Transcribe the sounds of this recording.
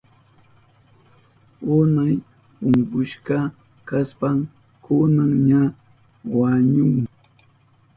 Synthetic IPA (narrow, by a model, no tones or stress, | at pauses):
ʊnaj | ʊŋkʊʃkɑ | kaspam | kʊnaŋɲa | waɲʊŋ